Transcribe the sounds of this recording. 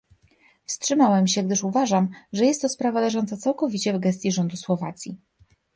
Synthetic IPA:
fstʂɘmawɛmɕɛɡd̪ɘʂuvaʐamʐɛjɛst̪ːɔspɾavad̪aʐɔnt̪sat̪sawkɔvʲit͡ɕɛvɡɛst̪ʲjiʐɔnd̪uswɔva̰t̪sʲjḭ

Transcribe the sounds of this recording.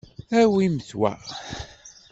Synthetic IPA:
æwiməθwæ̰

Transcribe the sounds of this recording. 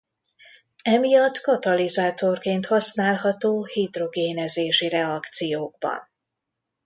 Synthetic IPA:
ɛmijɒt̪ːkɒt̪ɒlizaːt̪o̞rkeːnt̪hɒsnaːlɦɒt̪oːhid̪ro̞ɡeːnɛzeːʃirɛɒkt̪sijoːɡ̚bɒ̰n

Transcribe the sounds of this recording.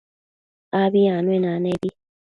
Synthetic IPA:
abiãnwenanebi

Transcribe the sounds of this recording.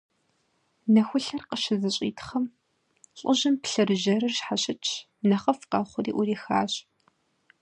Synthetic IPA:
nɐxʷʊɬɐrqəʃɪzɨɕʼḭːtʰχɐm | ɕʼʊʑɐmpɬɨrɨʒɐɾɨrʃħaɕɪt͡ʃʰ | nɐχɐfqɑːχʷʊɾiːʔʊɾiːxa̰ːɕ

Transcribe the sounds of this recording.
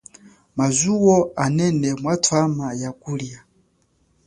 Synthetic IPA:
mazuwɔanɛnɛmwatʰwamajakulija

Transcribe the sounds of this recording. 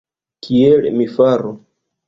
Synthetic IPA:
kʰielḛmifaɾo

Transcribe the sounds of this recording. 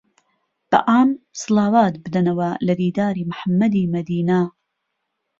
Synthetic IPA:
b̥ɐ̰ʔaːmsɨlɑːwaːt̪̚bɨd̪ɐnɐwɐlɐd̪iːd̪aːɾiːmʊħamːɐd̪iːmɐd̪iːnɐ

